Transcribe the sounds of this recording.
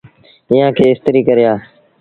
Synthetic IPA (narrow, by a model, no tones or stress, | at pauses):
ɪːjãːkʰeːɪst̪əɾiːkəɾɪjaː